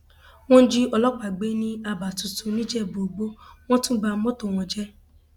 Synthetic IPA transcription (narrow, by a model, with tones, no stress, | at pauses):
w̃ɔ̃˦n̩˦d͡ʒi˦ɔ˧lɔ˦k͡pa˨ɡ͡be˦nĩ˦a˧ba˨tu˨tu˨˧nĩ˦d͡ʒɛ˦˨bo˨ɡ͡bo˦w̃ɔ̃˦tũ˦ba˧˦mɔ̃˦to˨w̃ɔ̃˧d͡ʒɛ˦